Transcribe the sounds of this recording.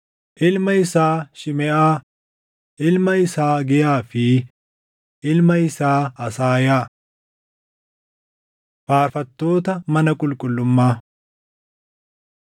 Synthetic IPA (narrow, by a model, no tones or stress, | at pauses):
ʔɪlmɐɪsaːʃɪmɛʔaː | ʔɪlmɐɪsaːɡɛjaːfɪ | ɪlmɐɪsaːɐsaːjaː | faːɾfɐt̪ːo̞ːt̪ɐmɐnɐkʼʊlkʼʊlːʊmːaː